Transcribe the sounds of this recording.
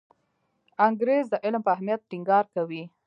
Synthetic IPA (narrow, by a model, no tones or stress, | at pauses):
aŋɡɾezd̪əʔɪlmpəaɦmijat̪̚ʈɪŋɡɑɾkawi